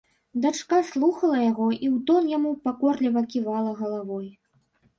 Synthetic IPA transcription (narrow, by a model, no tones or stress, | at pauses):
d̪at͡ʂkaslˠuxɐlˠɐjaɣɔʔiwt̪ɔnjamupakɔrlʲivɐkʲivalˠɐɣɐlˠavɔj